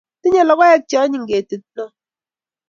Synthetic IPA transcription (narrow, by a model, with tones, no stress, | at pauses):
ti˦ɲe˦˨lɔ˨˦kɔ˦ɛ˦k̚t͡ʃɔ˦ɲi˦˨ŋɡe˨tɨ˨t̚nɔ˦